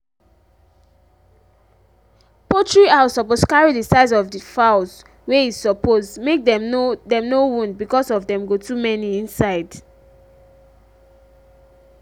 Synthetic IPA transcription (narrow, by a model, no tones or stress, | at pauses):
pɔtɹiaʊsɔposkaɹidisaɪzɔvdifaʊz | weizsɔpozmek̚dɛmdɛ̃mnowũndbikɔsɔvdɛ̃mɡotumɛniĩnsaɪd